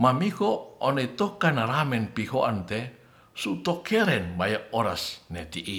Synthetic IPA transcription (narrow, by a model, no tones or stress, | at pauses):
mamihɔːnɔit̪ɔkanaɾamɛnpihoʔant̪ɛ | sut̪ɔkʰɛɾɛnmajaʔɔɾasnɛt̪iʔi